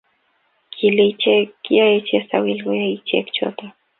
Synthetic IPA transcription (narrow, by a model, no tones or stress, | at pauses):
kʰilit͡ʃekjaet͡ʃesawilɣojait͡ʃḛkt͡ʃo̰t̪a